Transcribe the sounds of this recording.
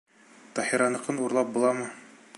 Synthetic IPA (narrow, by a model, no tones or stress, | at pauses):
t̪ɒhiɾɑnɤ̆qɤnuɾlˠɑp̚bulˠɑmɤ